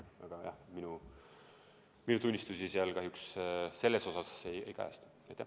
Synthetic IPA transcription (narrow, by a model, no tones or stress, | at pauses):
ɑɡ̥ɑjɑ̰hminu | minut̪unʲːist̪usiseɑlkɑɦjuksse̞lːe̞so̞sɑsejejkæ̰ːst̪u̥ | ɑjt̪ːæ